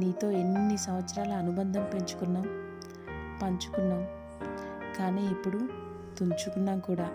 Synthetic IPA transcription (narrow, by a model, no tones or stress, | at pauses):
niːt̪o̞ːenːunisɐmʋɐt̪sɐɾaːluɐnubɐnd̪ʱɐmpe̞ɲt͡ʃu̥kunːaːm | pɐɲt͡ʃu̥kunːaːm | kaːniːipːuɽu | t̪uɲt͡ʃukunːaːmkuːɽaː